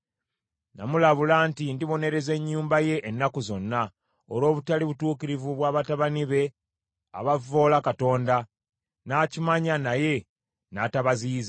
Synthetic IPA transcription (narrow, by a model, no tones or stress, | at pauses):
na̰mulaβulaːntindiβo̞ne̞ɾe̞ze̞ɲːuːmbaje̞ʔːnːakuzo̞nːa | olo̞ːβutaliβutuːkiɾivuβwaːβataβaniβe̞ | a̰βavo̞ːlakato̞ːnda | naːcimaɲanaje̞ | nataβaziːze